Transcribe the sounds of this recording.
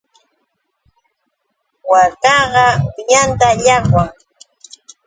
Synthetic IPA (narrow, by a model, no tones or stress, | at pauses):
wakɑɢɑwɪjant̪aʎɑχwaŋ